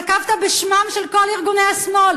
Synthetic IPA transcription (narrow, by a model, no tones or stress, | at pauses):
kavt̪abeʃmamʃelkoliʁɡuneasmo̞l